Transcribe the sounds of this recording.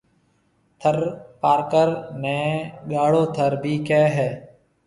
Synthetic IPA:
t̪ʰəɾpaːɾkəɾnɛ̃ːɠaːɭoːt̪ʰəɾbʱiːkɛːɦɛː

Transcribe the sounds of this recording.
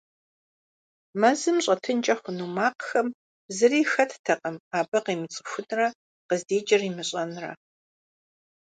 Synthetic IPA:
mɐzɨmɕʼɐtʰɨnt͡ʃʼɐχʷʊnumaːqxɐm | zɨriːxɐtʰtʰɐqʼɐmaːbɐqiːmɨt͡sʼɨ̥xʷʊnrɐ | qəzdeːt͡ʃʼɐriːmɨɕʼɐnrɐ̰

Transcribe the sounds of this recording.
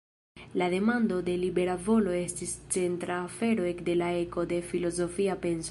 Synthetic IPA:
lade̞mando̞de̞libe̞ɾavo̞lo̞e̞stist͡se̞ntɾaːfe̞ɾo̞ekde̞lae̞ko̞de̞filo̞zo̞fiape̞ns

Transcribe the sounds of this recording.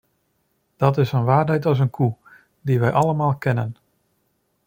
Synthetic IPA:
d̥ɔtɪsənʋaːrɛjtɔs̬ənkʰu | diʋɛjʔɑlˠəmaːlˠkʰɛnən

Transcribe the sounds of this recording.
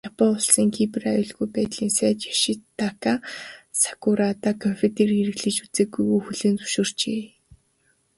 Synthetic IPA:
japɔʊɮsiːŋkʰiprajʊːɮɣujpæːt̪ɮiːnsæːt͡ɕjḁʃɪt̪ʰːakasḁkʊɾat̪aːkʰɔmpʲʰit̪erieɾɘ̆ɣɮɘ̆t͡ɕut͡seːɡujɣujxuɮeːnt͡su̥ʃoːr̥t͡ɕeː

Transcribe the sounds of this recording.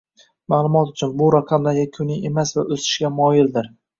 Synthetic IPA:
maːlˠʊmɒt̪ʊt͡ʃʰʊnbʊɾaqʰɑmlaɾɡʲakʲʰʊnɪemasvaʔɵsɪ̥ʃɡʲamɒjɪld̪ɪɾ

